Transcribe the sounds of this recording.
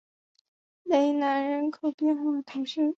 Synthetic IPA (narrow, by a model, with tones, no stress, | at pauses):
le˧˥ɪna˧˥nɻə˧˥nkʰo˨˩ʊpjɛ˥˧nxwa˥˩t̪ʰʊ˧˥ŋʂə˥˩